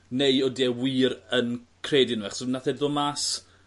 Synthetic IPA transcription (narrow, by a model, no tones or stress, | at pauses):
nejɔdɛwiːɾənkʰreːdɪnuɛχsənaθɛdðɔmas